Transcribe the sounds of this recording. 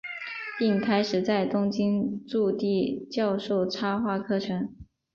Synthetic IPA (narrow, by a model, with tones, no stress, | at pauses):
pi˥˩ŋkʰa˥ɪʂɻ̩˨˩t͡sa˥˩ɪt̪ʊ˥ŋt͡ɕi˥nʈ͡ʂu˥˧t̪i˥˧t͡ɕjɑ˥˧ʊʂo˥˩ʊʈ͡ʂʰa˥xwa˥˩kʰɤ˥˩ʈ͡ʂʰɤ˧˥ŋ